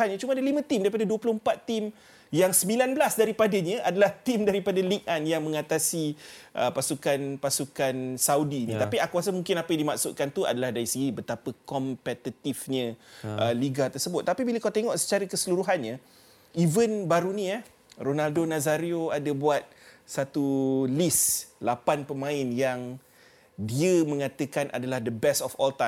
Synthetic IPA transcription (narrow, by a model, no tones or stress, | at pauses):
anɲãt͡ʃumadalimə̃t̪imdaɾipadaduəplʊhəmpat̪ːim | jaŋsəmbilanbəlasdaɾipadaɲə̃ʔadalaht̪imdaɾipadalik̚ʔanjaŋmə̃ŋat̪asiʔəpasukanpasukansawdinĩt̪apiakuasəmuŋkɪnapajãndimaʔsʊʔ̪̚kant̪ua̰dalahdaɾisiɡibət̪apəkɔmpɛt̪it̪ifɲə̃ʔəliɡat̪ərsəbʊt̪̚ːapibiləkat̪eŋɔʔsə̥t͡ʃaɾəkəsəluɾuɦanɲã | ʔivənbaɾunĩa | ronaldonãzaɾioadabuat̪̚sat̪ulislapanpəmãɪnjaŋ | diəmə̃ŋat̪əkanʔa̰dalahdəbɛstɔfɔlt̪a